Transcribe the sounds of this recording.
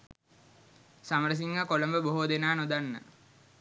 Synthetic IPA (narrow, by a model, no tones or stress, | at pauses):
saməɾəs̬iŋɡakoləmbəboɦoːd̪enaːnod̪anːə̰